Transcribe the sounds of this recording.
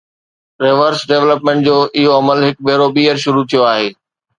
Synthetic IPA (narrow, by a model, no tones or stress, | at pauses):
ɾeːʋəɾsɖeʋləpmẽːɳʈ̚d͡ʑoːʔɪɦoɐməlɦɪk̚beːɾobiːəɾʃʊɾut̪ʰijoaːɦeː